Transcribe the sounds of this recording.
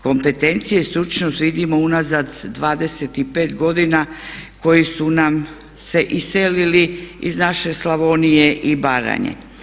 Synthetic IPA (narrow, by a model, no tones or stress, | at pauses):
ko̞mpe̞t̪e̞nt̪sijeist̪ɾut͡ʃnost̪ʋid̪imo̞unazad̪ːʋaːd̪e̞se̞t̪ipe̞ːt̪ɡo̞d̪inako̞jisunam | se̞ʔiseliliiznaʃe̞slaʋonije̞ʔibaːɾa̰ɲḛ